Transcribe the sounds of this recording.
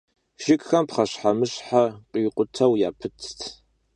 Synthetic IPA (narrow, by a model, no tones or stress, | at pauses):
ʃɪkʼxɐmpχɐɕħamɨɕħaqʼiːqʷʼʊtʰɐwjaːpʰɨt͡sʰtʰ